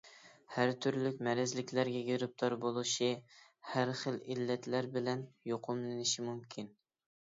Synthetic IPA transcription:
hæɾt̪ʰyɾlykʲmɛɾɛzlɪkʲlæɾɡʲɛɡʲiɾɪp̚t̪ʰɑɾbolˠuʃi | hæɾχəlilːɛt̪læɾbɪlɛnjoqʰʊmlɪnɪʃimumkʲʰin

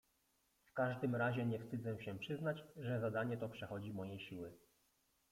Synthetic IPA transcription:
fkaʐd̪ɘmɾaʑɛɲɛfst̪ɘd̪zɛ̃ɕɛpʂɘznat͡ɕʐɛzad̪aɲɛt̪ɔpʂɛxɔd͡ʑimɔjejɕiwɘ

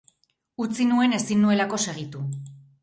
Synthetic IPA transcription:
ut͡sinue̞ne̞sinːue̞lako̞se̞ɣ̞it̪u

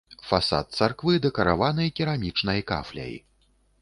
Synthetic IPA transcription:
fasa̰t̪̚t̪sarkvɨd̪ɛkɐɾavanɨjkʲiɾamʲit͡ʂnɐjka̰flʲɐ̰j

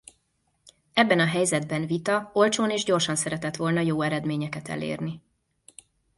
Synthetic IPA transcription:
ɛbːɛnɒɦɛjzɛd̪bɛnvit̪ɒo̞lt͡ʃoːneːʒɟo̞rʃɒnsɛɾɛt̪ɛt̪ʋo̞lnɒjoːɛɾɛd̪meːɲɛkɛt̪ɛ̰lḛːrni

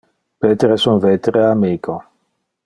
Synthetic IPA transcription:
pet̪eɾesunvet̪ɾeamiːkʰo

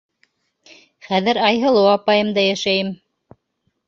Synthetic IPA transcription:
χæðɘɾɑjɦɤ̆lˠɤwɑpɑjɤ̆md̪ɑjæʃæjɘm

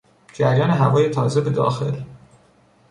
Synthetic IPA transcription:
d͡ʒæɾjɒːneɦævɒːjet̪ʰɒːzebe̞d̪ɒ̰ːxe̞l

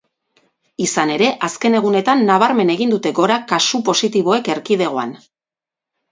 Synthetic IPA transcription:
isane̞ɾe̞ʔaske̞ne̞ɣ̞une̞t̪anːaβ̞aɾme̞ne̞ɣ̞ind̪ut̪e̞ɡo̞ɾakasupo̞sit̪iβ̞o̞e̞ke̞ɾkið̞e̞ɣ̞o̞a̰n

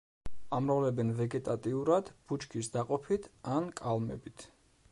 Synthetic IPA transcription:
amɾavlɛbɛnvɛɡɛt̪ʼat̪ʼiuɾad̪̥b̥ut͡ʃkʰisd̪aqʼɔpʰit̪ʰankʼalˠmɛ̰bit̪ʰ

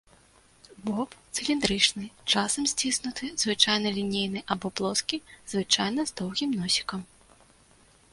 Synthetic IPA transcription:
bɔpt̪sɨlʲind̪ɾɨt͡ʂnɨt͡ʂasɐmsʲt͡sʲisnut̪ʰɨzvɨt͡ʂajnɐlʲinʲejnɨʔabɔplˠɔskʲizvɨt͡ʂajnɐzd̪ɔwɣʲimnɔsʲi̥kɐm

